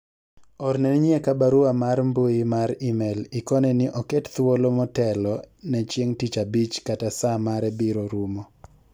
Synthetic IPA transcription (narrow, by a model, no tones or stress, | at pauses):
ɔɾnɛnɲjekabaɾuamarmboɪmaɾimelɪkɔnɛnɪʔɔkɛtt̪wolomɔtɛlɔnɛt͡ʃjeŋtit͡ʃabit͡ʃkatasamaɾɛbiɾoɾumo